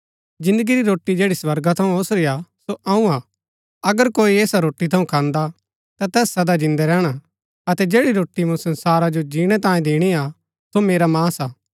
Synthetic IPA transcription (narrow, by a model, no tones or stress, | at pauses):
d͡ʒɪ̃nd̪əɡiɾiɾoːʈːid͡ʒeːɽiswɐɾɡat̪ʰɐũosɾiasoʔɐũaː | ɐɡəɾkoːieːsaɾoːʈːit̪ʰɐũkʰãːnd̪a | t̪at̪ɛːsːɐd̪ad͡ʒɪ̃nd̪ɛɾɛːɽ̃a | ɐt̪ɛd͡ʒeːɽiɾoːʈːimũsɐ̃nsaːɾad͡ʒod͡ʒiːɽ̃ɛt̪ãːjẽd̪eːɽ̃ia | someːɾamaːsaː